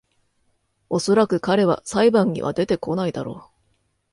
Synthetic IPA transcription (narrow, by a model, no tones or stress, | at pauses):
o̞so̞ɾakɯ̟kaɾe̞β̞a̰saibãɲ̟ːḭβa̰d̪e̞t̪e̞ko̞naid̪aɾo̞ː